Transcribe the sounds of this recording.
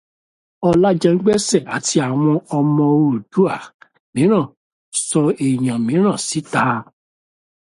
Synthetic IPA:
ɔ˧la˦d͡ʒɛ˧ŋ̩˦ɡ͡bɛ˦sɛ˦˨a˨ti˧a˨w̃ɔ̃˧ɔ˧mɔ̃˧o˦˨d̥u˨˦a˦˨ | mĩ˨˦ɾ̃ã˦˨ | sɔ˧e˨j̃ã˨mĩ˨˦ɾ̃ã˦˨si˨˦ta˦

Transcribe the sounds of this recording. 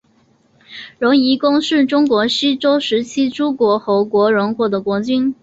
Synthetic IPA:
ɻʊ˧˥ŋi˧˥kʊ˥ŋʂɻ̩˥˩ʈ͡ʂʊ˥ŋkwɔ˧˥ɕi˥ʈ͡ʂo˥ʊʂɻ̩˧˥t͡ɕʰi˥ʈ͡ʂu˥kwɔ˧˥xɤ˧˥ʊkwɔ˧˥ɻʊ˧˥ŋkwɔ˧˥d̪ə˦˩kwɔ˧˥t͡ɕy˥n

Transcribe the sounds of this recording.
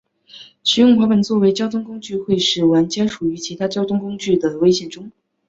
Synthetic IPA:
ɕʰy˥jʊ˥˩ŋxwa˧˥pə˨˩nt͡swɔ˥˩we˧˥ɪt͡ɕjɑ˥ʊt̪ʰʊ˥ŋkʊ˥ŋt͡ɕy˥˧xwe˥˧ɪʂɻ̩˥˩wa˧˥nt͡ɕjɛ˥nʂu˨˩y˧˥t͡ɕʰi˧˥t̪ʰa˥t͡ɕjɑ˥ʊt̪ʰʊ˥ŋkʊ˥ŋt͡ɕy˥˩d̪ə˩we˥ɪɕjɛ˥˩nʈ͡ʂʊ˥ŋ

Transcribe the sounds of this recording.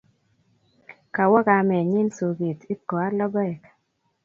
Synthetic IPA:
ka˨wɔ˦ka˨mɛ˨ɲi˦nsu˨ɡi˨t̪i˦kɔ˨a˦lɔ˦ɡɔ˦ɛ˨ka˨

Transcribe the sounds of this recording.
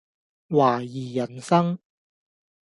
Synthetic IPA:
waː˨˩jiː˨˩jɐ˨˩nsɐ˥ŋ

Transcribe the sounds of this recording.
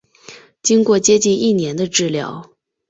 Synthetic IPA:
t͡ɕi˥ŋkwɔ˥˩t͡ɕjɛ˥t͡ɕi˥˧ni˥˩njɛ˧˥nd̪ə˧ʈ͡ʂɻ̩˥˩ljɑ̰˧˥˦ʊ

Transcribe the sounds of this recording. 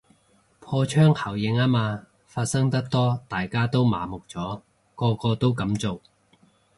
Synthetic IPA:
pʰɔː˧t͡ʃʰœː˥ŋhʰɐ˨˩wjɪ˨˥ŋaː˥maː˧ | faː˧t̚sɐ˥ŋt̪ɐ˥k̚t̪ɔː˥t̪aː˨jkaː˥t̪o˥wma̰ː˨˥mʊ˨k̚t͡sɔː˨˥ | kɔː˧kɔː˧t̪o˥wkɐ˨˥mt͡so˨w

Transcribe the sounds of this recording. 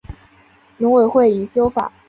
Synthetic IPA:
lʊ˧˥ŋwe˨˩ɪxwe˥˩ɪi˨˩ɕjo˥ʊfa̰˨˩˦

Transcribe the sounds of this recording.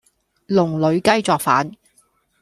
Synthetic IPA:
lʊ˨˩ŋlɵ˨˧ɥkɐ˥jt͡sɔː˨˧k̚fa̰ː˨˥n

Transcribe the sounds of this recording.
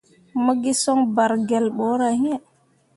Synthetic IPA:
ma˦ɡi˦sɔ˦ŋba˨ɾɡɛ˨lɓɔ˦ɾa˨hi˦ɛ˨

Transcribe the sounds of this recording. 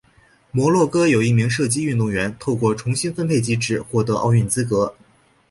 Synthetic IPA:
mwɔ˧˥lwɔ˥˩kɤ˥jo˨˩ʊi˥˩mi˧˥ŋʂɤ˥˩t͡ɕi˥y˥˧nt̪ʊ˥˩ŋɥɛ˧˥nt̪ʰo˥˧ʊkwɔ˥˩ʈ͡ʂʰʊ˧˥ŋɕi˥nfə˥npʰe˥˩ɪt͡ɕi˧˥ʈ͡ʂɻ̩˨˩xwɔ˥˩t̪ɤ˧˥ʔɑ̰˥˧ʊy˥˩nt͡sɹ̩˥kɤ˧˥

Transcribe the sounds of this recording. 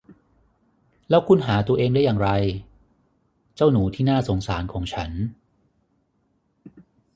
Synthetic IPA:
lɛː˦˥wkʰu˧nɦaː˩˦t̪u˧ɐʔeː˧ŋda˥˩jaː˨˩ŋɾa˧j | t͡ɕa˥˩wnuː˩˦t̪ʰiː˥˩naː˥˩so˩˦ŋsaː˩˦nkʰɔː˩˦ŋt͡ɕʰa˦˥n

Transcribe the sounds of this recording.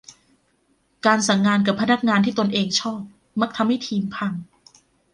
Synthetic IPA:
kaː˧nsa˨˩˦ŋːaː˧nka˨˩pʰːa˧na˦˥k̚ŋaː˧nt̪ʰiː˥˩t̪o˧nʔeː˧ŋt͡ɕʰɔː˥˩p̚ | ma˦˥k̚t̪ʰa˧mha˥˩jt̪ʰiː˧mpʰa˧ŋ

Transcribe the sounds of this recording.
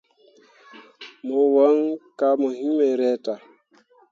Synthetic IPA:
mo˨wa˦ŋka˦mo˨ɦĩ˦me˨ɾɛ˦ta˨

